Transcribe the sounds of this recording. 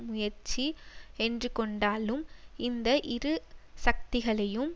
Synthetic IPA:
mʊjɐɾt͡ʃiɛndrɯkɔɳɖaːlɯmɪnd̪ɐʔɪɾɯsɐk̚t̪ɪɣɐɭɐjɯm

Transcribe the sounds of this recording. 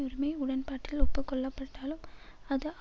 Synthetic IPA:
ɔɾɪmɐɪʊɽɐnpaːʈːɪlɔpːɯkːɔɭːɐpːɐʈːaːlɯmɐðɯʔ

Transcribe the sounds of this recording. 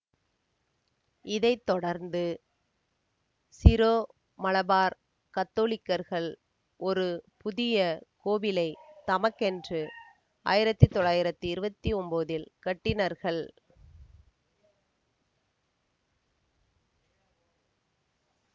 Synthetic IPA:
ɪðɐɪt̪ːɔɽɐɾnd̪ɯ | sɪɾoː | mɐlɐbaːɾ | kɐt̪ːoːɭɪkːɐɾɣɐɭ | ɔɾɯpʊðɪjɐkoːbɪlɐɪt̪ɐmɐkːɛndrɯ | a̰ːjɪɾɐt̪ːɯt̪ːɔɭːaːjɪɾɐt̪ːɯɪɾɯbɐt̪ːiɔmboːðɪlkɐʈːɪnɐɾɣɐɭ

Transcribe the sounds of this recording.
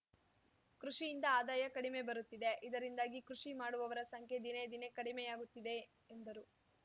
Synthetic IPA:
kɾuʂijind̪ɐaːd̪aːjɐkɐɽime̞bɐɾut̪ːid̪e̞ʔid̪ɐɾind̪aːɡikɾuʂimaːɽuʋɐʋɐɾɐsɐŋkʰje̞d̪ined̪ine̞kɐɽimejaːɡut̪ːid̪e̞ | end̪ɐɾu

